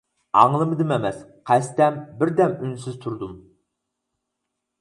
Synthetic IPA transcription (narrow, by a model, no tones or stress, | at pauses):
ɑ̰ŋlˠɨmɨd̪ɨmemɛsqʰæst̪ɛmbɪɾd̪ɛmynsɪzt̪ʰuɾd̪um